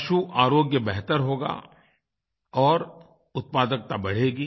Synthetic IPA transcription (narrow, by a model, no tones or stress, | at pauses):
ɐʃuʔaːɾoːɡjəbɛɦt̪əɾɦoːɡa̰ | ɔːɾ | ʊt̪̚paːd̪ək̚t̪abɐɽ̤eːɡiː